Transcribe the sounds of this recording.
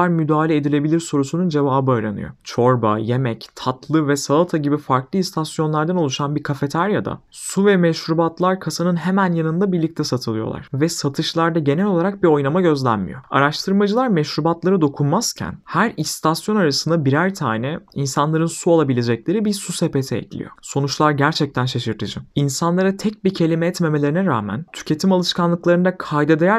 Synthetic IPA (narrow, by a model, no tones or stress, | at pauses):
aɾmyd̪aːlʲeed̪ilʲe̞bilʲiɾso̞ɾusunund͡ʒe̞vaːbɯaɾa̰nɯ̰jo̞̰t͡ʃʰo̞ɾba̰je̞mɛct̪ʰat̪ʰlˠɯvɛsalˠat̪ʰaɟibifaɾklˠɯist̪ʰasjo̞nlˠaɾd̪ano̞lˠuʃanbiɾkʰafe̞t̪ʰaɾjad̪a̰ | suvɛmɛʃɾubat̪lˠaɾkʰasanɯnɦe̞mænjanɯnd̪abiɾlʲic̚t̪ʰɛsat̪ʰɯlˠɯjo̞lˠa̰ɾ̥vɛsat̪ʰɯʃlˠaɾd̪aɟe̞nɛlʲo̞lˠaɾak̚bio̞jnˠamaɟø̞zlʲænmḭjo̞̰a̰ɾaʃt̪ʰɯɾmad͡ʒɯlˠaɾmɛʃɾubat̪lˠaɾɯd̪o̞kʰunmaz̥cʰæ̰nhæɾist̪ʰasjo̞naɾasɯnd̪abiɾæɾt̪ʰaːnɛinsanlˠaɾɯnsualˠabilʲed͡ʒɛclʲe̞ɾibiɾsusepe̞t̪ʰɛɛ̰clʲḭjo̰so̞nut͡ʃlˠaɾɟæɾt͡ʃʰɛc̚t̪ʰænʃeʃɯɾt̪ʰɯd͡ʒɯinsanlˠaɾat̪ʰɛc̚bicʰe̞lʲimɛɛt̪me̞melʲeɾinɛɾa̰ːmæ̰nt̪ʰy̥cʰe̞t̪ʰimalˠɯʃkanlˠɯklˠaɾɯnd̪akʰajd̪ed̪ejæ